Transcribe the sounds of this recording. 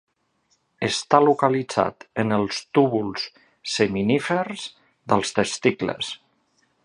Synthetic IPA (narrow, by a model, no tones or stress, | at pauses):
əst̪alukalid͡za̰t̪ənəlˠst̪uβulˠsː | əminifərz | ðəlˠst̪əst̪iklə̰s